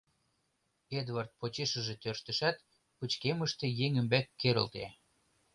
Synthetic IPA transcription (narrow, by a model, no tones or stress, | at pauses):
ed̪vart̪̚pot͡ɕeʃə̆ʒet̪ørʃt̪ə̆ʃæt̪ | put͡ɕkeməʃt̪ĕjeŋymbækːeɾə̰̆lt̪ḛ